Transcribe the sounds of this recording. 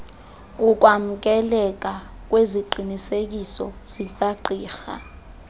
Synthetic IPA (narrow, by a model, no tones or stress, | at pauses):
uk̬ʼwam̩k̬ʼɛlɛk̬ʼa | k̬ʼweziǃʱinisek̬isɔ̰z̥ik̬ʼaǃiːxa̰